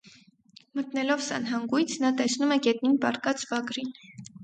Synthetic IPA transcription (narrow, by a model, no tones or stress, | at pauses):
mət̪nɛlɔvsɑ̰nɦɑŋɡujt͡sʰnɑt̪ɛsnumɛɡɛt̪̚ninpɑ̰ɾkɑt͡sbɑɡɾin